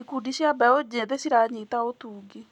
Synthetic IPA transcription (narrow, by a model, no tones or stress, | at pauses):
ikudiɕjabɛod͡ʑeðesiɾaɲetaotuːɡe